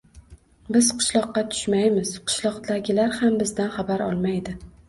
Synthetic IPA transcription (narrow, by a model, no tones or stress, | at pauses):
bɪz̥qʰʊ̥ʃlˠɒqːɑt̪ʰʊ̥ʃmajmɪz̥qʰʊ̥ʃlˠɒqd̪aɡʲɪlaɾhambɪzd̪anχabaɾɒ̰lˠmajd̪ɪ